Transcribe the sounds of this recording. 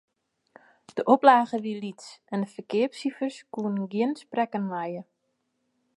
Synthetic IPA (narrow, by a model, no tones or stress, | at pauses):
d̥əʔoplaːɣəʋilitsɛndəfəkɪəpsifərskuənɡiənsprɛkənlajə